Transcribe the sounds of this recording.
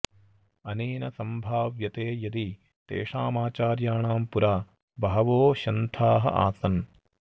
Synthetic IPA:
ɐneːnɐsɐmbʱaːʋjɐt̪eːjɐd̪i | t̪ḛːʂaːmaːt͡ʃaːɾjaːɳaːmpuɾaː | bɐɦɐʋoːʃɐnt̪ʰaːɦɐ̰ʔa̰ːsɐn

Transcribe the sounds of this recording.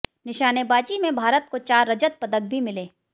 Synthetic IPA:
nɪʃaːnebaːd͡ʒimẽbʱaːɾət̪̚kot͡ʃaːɾːɐd͡ʒət̪̚pɐd̪ək̚bʱimɪleː

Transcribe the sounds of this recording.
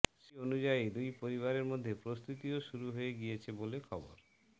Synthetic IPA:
ʃionud͡ʑajid̪ujpoɾiβaɾeɾmod̪ʱːepɾost̪ut̪ioʃuɾuɦoeɡijet͡ɕʰebolekʰɔboɾ

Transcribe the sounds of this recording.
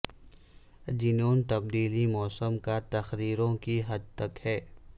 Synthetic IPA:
d͡ʒɪnõːnt̪ɐbd̪iːlimɔːsəmkat̪ɐxɾiːɾõkiɦɐd̪̚t̪ɐkhɛː

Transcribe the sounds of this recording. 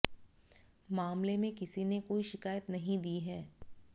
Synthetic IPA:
maːmlemẽkɪsinekoːiʃɪkaːjət̪nɐɦĩd̪iːɦɛː

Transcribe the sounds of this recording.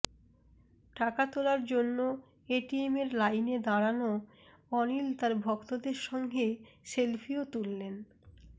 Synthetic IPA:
ʈakat̪olaɾd͡ʑonːo | eʈiemeɾlajned̪aɾano | ɔnilt̪aɾbʱɔkt̪od̪eɾʃɔŋɡʱeʃelfʰiot̪ulːen

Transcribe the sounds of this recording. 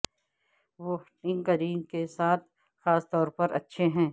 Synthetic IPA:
ʋoː | ɪ̃ŋkəɾiːŋkesaːt̪̚ʰ | xaːst̪ɔːɾpɐɾɐ̰tːʃʰeɦɛ̃ː

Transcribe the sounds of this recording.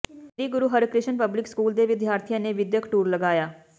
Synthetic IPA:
ɾiːɡʊɾuːɦəɾkɾɪʃənpəblɪkskuːld̪eːʋɪd̪ʱjaːɾt̪ʰɪjãːneːʋɪd̪jəkʈuːɾləɡaːjaː

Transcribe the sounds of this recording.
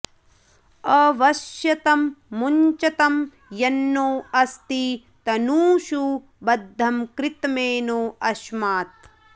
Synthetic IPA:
ɐʋɐʃjɐt̪ɐmːuɲt͡ʃɐt̪ɐm | jɐnːoːɐst̪i | t̪ɐnuːʃu | bɐd̪ʱːɐmkɾɪt̪meːnoːɐʃmaːt̪̚

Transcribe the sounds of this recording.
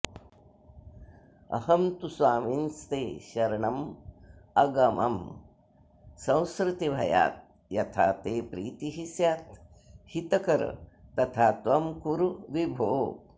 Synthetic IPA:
ɐ̰hɐmt̪uswaːminst̪eːʃɐɾɐɳɐm | ɐɡɐmʔɐ̰m | sɐ̃w̃skɾɪt̪ibʱɐ̰ja̰ːt̪̚ | jɐt̪ʰa̰ːt̪eːpɾḭːt̪iɦisjaːt̪ | hit̪ɐkɐɾɐ̰t̪ɐt̪ʰaːt̪ʋɐmkuɾuʋibʱoː

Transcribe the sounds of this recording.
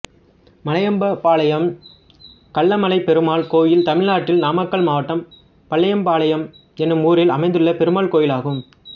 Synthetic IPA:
mɐnɐjɐmbɐpaːlɐjɐm | kɐɭːɐmɐlɐɪpɛɾɯmaːlkoːjɪlt̪ɐmɪɭnaːʈːɪlnaːmɐkːɐɭmaːʋɐʈːɐm | pɐɭːɐjɐmpaːlɐjɐm | ɛnːɯmuːɾɪlɐmɐɪnd̪ɯɭːɐpɛɾɯmaːlkoːjɪlaːɣɯm

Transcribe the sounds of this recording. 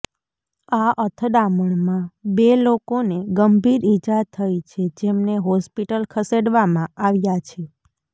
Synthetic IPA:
aʔət̪ʰəd̪aməɳmãbelokoneɡəmbiɾid͡ʒat̪ʰːəjt͡ʃʰed͡ʒemneɦɔspiʈəlkʰəseɖʋamãaʋjat͡ʃʰe

